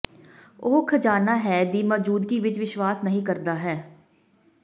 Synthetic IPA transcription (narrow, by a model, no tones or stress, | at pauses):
oːkʰəd͡ʒaːnaːɦɛːd̪iːmɔːd͡ʒuːd̪ɡiːʋɪt͡ʃʋɪʃʋaːsnəɦĩːkəɾd̪aːɦɛː